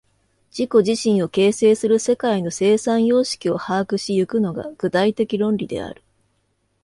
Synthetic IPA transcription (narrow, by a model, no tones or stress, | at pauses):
d͡ʑ̥iko̞ʑiɕĩɰ̃o̞ke̞ːse̞ːsɨɾɯ̟se̞kaino̞se̞ːsãɰ̃jo̞ːɕi̥kʲio̞haːkɯ̟ɕijɯ̟kɯ̟no̞ɡa̰ɡ̥ɯ̟t̪ait̪e̞kʲiɾõ̞nɾʲid̪e̞̰a̰ɾɯ̟̥